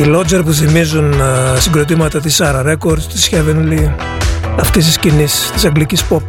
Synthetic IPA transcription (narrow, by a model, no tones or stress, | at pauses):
ilo̞d͡ʒeɾpuθimizunsiŋɡɾo̞t̪̬imɐt̪ɐt̪̬isɐɾɐɾe̞ko̞ɾd̪st̪isçevenli | ɐft̪ist̪iscinist̪isɐŋɡlicispop̚